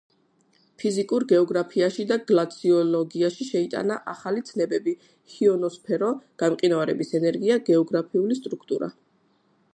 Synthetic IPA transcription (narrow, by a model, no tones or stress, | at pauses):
pʰizikʼuɾɡɛɔɡɾapʰiaʃid̪aɡlat̪sʰiɔlɔɡiaʃiʃɛit̪ʼa̰naʔaχalit̪sʰnɛbɛbi | hiɔnɔspʰɛɾɔɡ̥amqʼinavaɾɛ̰bisɛnɛɾɡiaɡɛɔɡɾapʰiulist̪ʼɾukʰt̪ʼuɾa̰